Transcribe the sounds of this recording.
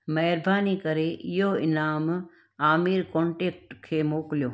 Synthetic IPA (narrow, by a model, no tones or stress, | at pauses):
mɐɦɾbʱaːnikɐɾeɪjoɪnaːm | aːmiːɾkõːɳʈeːk̚ʈkʰeːmoːkljoː